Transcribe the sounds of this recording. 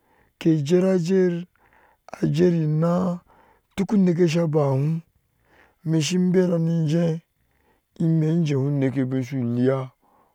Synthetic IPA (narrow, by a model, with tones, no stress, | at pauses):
ke˨d͡ʒe˦ɾa˦d͡ʒe˦ɾ | a˨d͡ʒe˦ɾi˨na˦ | tu˦ku˦ne˨˦k̬e˦ʃ̬a˦ba˨hũ˦ | me˨ʃ̬i˦m˦be˦ɾa˨ni˦n˦d͡ʒẽ˦ | i˦me˨˦n˦d͡ʒe˨hu˦ne˨ke˦bi˦n˦ʃu˨li˦ja˦